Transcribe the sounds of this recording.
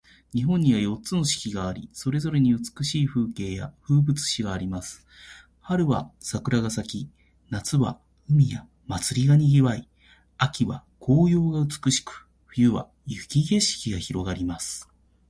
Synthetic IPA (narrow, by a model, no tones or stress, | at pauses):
ɲ̟iɦõ̞ɲ̟ːiβajo̞tːt͡sɨno̞ɕi̥kʲiɡaːɾʲḭso̞ɾe̞zo̞ɾe̞ɲ̟iɯ̟t͡sɨ̥kɯ̟ɕiːɸɯ̟ːke̞ːja̰ɸɯ̟ːbɯt͡sɨ̥ɕiɡaːɾʲimasɨ̥ | haɾɯ̟βasakɯ̟ɾaɡasakʲi | nat͡sɨβa̰ | ɯ̟mʲija | mat͡sɨɾʲiɡaɲ̟iɡʲiβai | akʲiβakʰo̞ːjo̞ːɡaɯ̟t͡sɨ̥kɯ̟ɕi̥kɯ̥ | ɸɯ̟jɯ̟βa̰ | jɯkʲiɡe̞ɕi̥kʲiɡaçiɾo̞ɡaɾʲimasɨ̥